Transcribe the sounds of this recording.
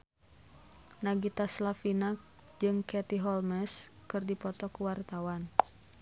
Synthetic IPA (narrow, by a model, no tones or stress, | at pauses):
naɡit̪aslafina | d͡ʒɨŋkɛt̪iɦɔlmɛskɨrdipɔt̪ɔkuwart̪awan